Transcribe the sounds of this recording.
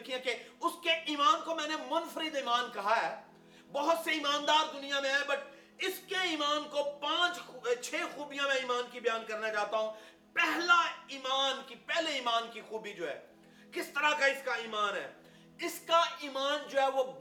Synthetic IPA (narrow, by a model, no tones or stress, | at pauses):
kʰiãkeʊskeʔiːmaːnkomɛ̃ːnemʊnfəɾɪd̪iːmaːnkɐɦaɦɛː | bɐɦʊt̪seiːmaːnd̪aːɾd̪ʊnijamẽɦɛ̃bɐʈ | ɪskeiːmaːnkopãːt͡ʃt͡ʃʰeːxuːbijãmẽiːmaːnkibɐjaːnkɐɾnat͡ʃaːɦt̪aɦũ | pɛɦlaiːmaːnkipɛɦleiːmaːnkixuːbid͡ʒoːɛ̰ː | kɪst̪ɐɾakaɪskaiːmaːnɦɛ̰ː | ɪskaiːmaːnd͡ʒoːɦɛʋob